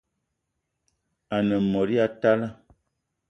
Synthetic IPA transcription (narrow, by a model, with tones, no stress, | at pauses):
a˨nə˨mɔ˨ɾi˦a˨ta˦la˦